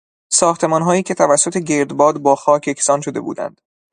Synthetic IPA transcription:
sɒːxt̪ʰe̞mɒːnɦɒːiːcʰʲe̞t̪ʰævæsːo̞t̪ʰeɟeɾd̪bɒːd̪bɒːxɒːcʰe̞kʰsɒːnʃod̪e̞bṵːd̪æ̰nd̪̥

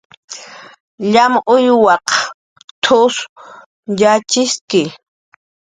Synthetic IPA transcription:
ʎamʔʊjwɑq | t̪ʰʊs | jat͡ʃɪskɪ

